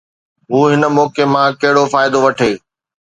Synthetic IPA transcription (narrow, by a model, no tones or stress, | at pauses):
ɦuːɦɪnə̆mɔːkemãkɐɦɪɽofaːɪd̪oʋɐʈʰeː